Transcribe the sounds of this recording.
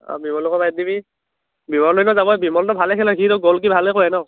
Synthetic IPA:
ɔ̰bimɔlɔkɔbajt̚dibi | bimɔllɔnɔzabɔɛbimɔltɔbʱalɛkʰɛlɔkiɾɔɡɔlk̬ibʱalekoɛnɔ

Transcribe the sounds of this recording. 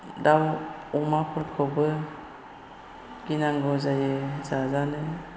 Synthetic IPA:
dawumapʰɯɾkʰɔbɯ | ɡ̥inaŋɡɔzajezazanɯ

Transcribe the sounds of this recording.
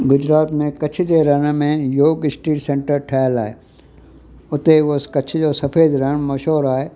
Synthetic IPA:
ɡʊd͡ʒɾaːt̪mẽkɐt͡ʃʰɪd͡ʒeɾɐnmẽjoːɡɪsʈiːʈsẽɳʈəɾʈʰɛːlaːe | ʊt̪eʋoskɐt͡ʃʰɪd͡ʒosɐpʰeːd̪ɾɐñmɐʃɦoːɾaːe

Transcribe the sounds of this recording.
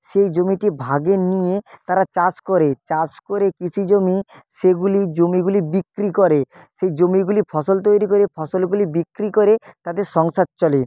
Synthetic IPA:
sejd͡ʒomiʈibʱaɡenijet̪aɾat͡ʃaskɔɾet͡ʃaskoɾekit͡ʃʰid͡ʒomiseɡulid͡ʒomiɡulibikɾikɔɾe | sejd͡ʒomiɡulipʰɔsɔlt̪̬ojɾikɔɾepʰɔsɔlɡulibikɾikɔɾet̪ad̪eɾsɔŋsat̪̚t͡ʃɔli

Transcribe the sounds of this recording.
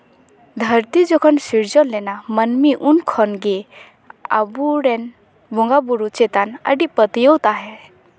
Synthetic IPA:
d̪ʱəɾt̪id͡ʒokʰɔnsiɾd͡ʒɔllːenamənmiʔunkʰɔnɡe | a̰buɽɛn | bũŋɡabuɾut͡ʃet̪anə̰ɖipət̪jɔwt̪aɦɛ

